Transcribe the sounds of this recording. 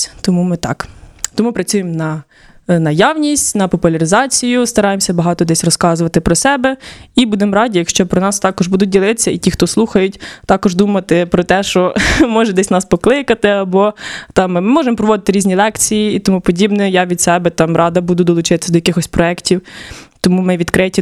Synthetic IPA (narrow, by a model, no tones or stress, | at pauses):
t̪ɔmumɪt̪ɑ̰kt̪ɔmupɾɐt͡sʲujemnɐ | nɐjawnʲisʲtʲnɐpɔpʊlʲɐɾɪzɑt͡sʲijʊst̪ɐɾɑjemsʲɐbɐɦɑt̪ɔd̪ɛsʲrɔskɑzʊʋɐt̪ɪpɾɔsɛbɛibud̪ɛmɔɾɑdʲijɐkʃt͡ʃɔpɾɔnɑst̪ɑkɔʒbud̪ʊt̚ʲdʲilˠɪt̪ɪ̥sʲːɐitʲixt̪ɔslˠuxɐjʊtʲt̪ɑkɔʒd̪umɐt̪ɪpɾɔt̪ɛʃt͡ʃɔmɔʒɛd̪ɛsʲnɑspɔklˠɪkɐt̪ɪɐbɔt̪ɑmːɪmɔʒemɔpɾɔʋɔd̪ɪt̪ɪɾʲizʲnʲilˠɛkt͡sʲijiːt̪ɔmupɔdʲibnɛjɑʋʲid̪sɛbɛt̪ɑmɾɑd̪ɐbud̪ʊd̪ɔlˠʊt͡ʃɪt̪ɪ̥sɐd̪ɔjɐkɪxɔsʲpɾɔɛktʲiwt̪ɔmumɪʋʲid̪kɾɪtʲi